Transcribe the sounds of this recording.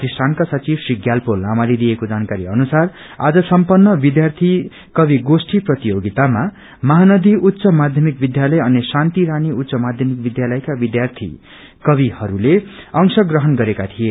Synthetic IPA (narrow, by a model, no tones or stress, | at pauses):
ʌt̪isʈʰankasʌt͡siɾsriɡjalpolamalid̪ijekod͡zankaɾiʌnusar | a̰d͡zʌsʌmpʌnːʌbid̪jart̪ʰi | kʌbiɡosʈiprʌt̪ijoɡit̪ama | mʌɦanʌd̪ʱiʔut̪ːsʌmad̪ʱjʌmik̚bid̪jalʌjʌnisant̪iɾaniut̪ːsʌmad̪ʱjʌmik̚bid̪jalʌjkabid̪jart̪ʰḭ | kʌβihʌɾuleʌŋsʌɡrʌɦʌnɡʌɾekat̪ʰije